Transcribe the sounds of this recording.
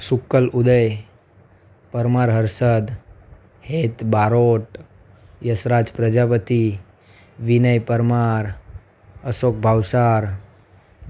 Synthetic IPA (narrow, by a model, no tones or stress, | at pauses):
sukːəlud̪əj | pəɾmaɾɦəɾsəd̪ | het̪baɾoʈ | jəsɾad͡ʒpɾəd͡ʒapət̪i | ʋinəjpəɾmaɾ | əsok̚bʱaʋsaɾ